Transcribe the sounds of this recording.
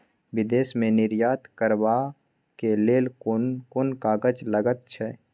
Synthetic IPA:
ʋɪd̪eːsmẽnɪɾjaːt̪kəɾʋa | keleːlnkʊnkaːɡəd͡ʒləɡət̪̚t͡ʃʰɛː

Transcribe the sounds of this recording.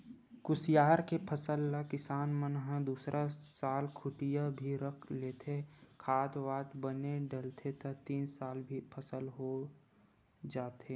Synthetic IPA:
kʊsijaːɾkepʰəsəlːakɪsaːnmənɦə̃d̪uːsɾʔasaːlkʰʊʈijabʱiɾəkʰleːt̪ʰekʰaːt̪ʋaːd̪bəneɖəlt̪ʰet̪ɐt̪iːnsaːlbʱipʰəsəlɦo | d͡ʒaːt̪e

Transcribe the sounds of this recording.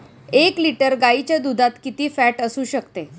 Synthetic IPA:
ekliʈəɾɡait͡ɕjad̪ud̪ʱat̪kit̪iːfæʈəsuːɕəkt̪e

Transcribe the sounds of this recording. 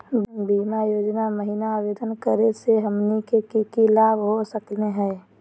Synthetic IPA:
bimajoːd͡ʒnaməɦinaːbed̪ənkəɾeseɦəmnikekikilaːbɦosəkleɦɛ̃ː

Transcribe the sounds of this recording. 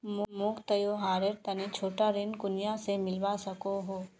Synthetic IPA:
mʊmʊkt̪ɐjoːɦaːɾeɾt̪ɐnet͡ʃʰoːʈaɾenkʊnjasemɪlʋasɐkoɦoː

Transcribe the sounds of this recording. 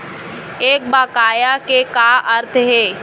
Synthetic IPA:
eːk̚baːkaːjakekaːʔəɾt̪ʰɦeː

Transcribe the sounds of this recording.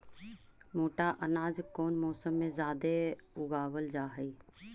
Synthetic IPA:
moːʈaʔənaːd͡ʒkoːnmɔːsəmːẽzaːd̪eʊɡaːwəld͡ʒaːɦəi

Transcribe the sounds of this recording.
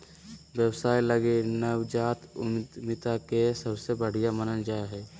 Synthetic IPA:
ʋjəwsaːiləɡenəwd͡ʒaːt̪ʊ̰md̪mɪt̪akesəbsebəɽ̤ijamənəld͡ʒaːeɦɛː

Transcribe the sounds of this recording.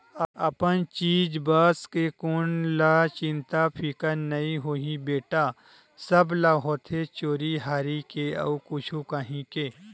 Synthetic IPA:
ɐɐpənt͡ʃiːd͡ʒbaːskekʊnlaːt͡ʃɪ̃nt̪apʰikənɐĩɦoːɦibeːʈa | sɐblaːɦoːt̪ʰet͡ʃoːɾiɦaːɾikeɐ̰ukʊt͡ʃʰukaːɦĩkeː

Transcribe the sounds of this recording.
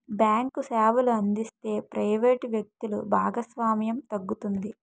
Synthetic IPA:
bjaːŋkusaːʋuluɐnd̪ist̪e̞ːpɾɐjʋeːʈʋjɐk̚t̪ulubʱaːɡɐsʋaːmjɐmt̪ɐɡːut̪und̪i

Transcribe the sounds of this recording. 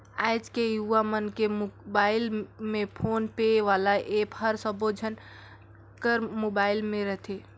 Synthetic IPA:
ajd͡ʒkejuʋamənkemobailmepʰonpeʋalaʔephəɾsəbod͡ʒʱən | kəɾmobailmeɾəɦt̪ʰe

